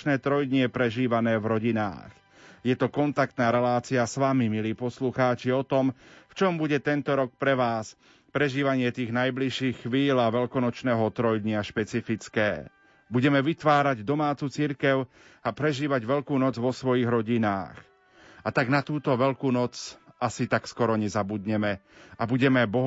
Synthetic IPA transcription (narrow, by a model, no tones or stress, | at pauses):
t͡ʃnɛːt̪ɾɔjd̪ɲɛpɾɛʒiːʋanɛːʋɾɔɟina̰ːx | jɛt̪ɔkɔnt̪ak̚t̪naːɾɛlaːt͡siasʋamimiliːpɔsluxaːt͡ʃiɔt̪ɔmft͡ʃɔmbuɟɛt̪ɛnt̪ɔɾɔk̚pɾɛʋaːs | pɾɛʒiːʋaɲɪɛt̪iːɣnajbliʃiːxːʋiːlaʋɛʎkɔnɔt͡ʃnɛːɦɔt̪ɾɔjd̪ɲɪaʃpɛt͡sifit͡skɛː | buɟɛmɛʋit̪ʋaːɾaɟd̪ɔmaːt͡sut͡siɾkɛʊ | apɾɛʒiːʋaɟʋɛʎkuːnɔd͡zʋɔsʋɔjiːɣɾɔɟina̰ːx | at̪aɡnat̪uːt̪ɔʋɛʎkuːnɔt͡sasit̪akskɔɾɔɲɛzabud̪ɲɛmɛabuɟɛmɛbɔɦ